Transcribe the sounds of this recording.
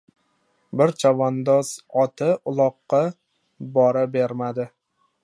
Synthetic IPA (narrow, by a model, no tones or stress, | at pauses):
bɪɾt͡ʃʰavand̪ɒz̥ɒt̪ʰɪʊlˠɒqːɑ | bɒɾabeɾmad̪ɪ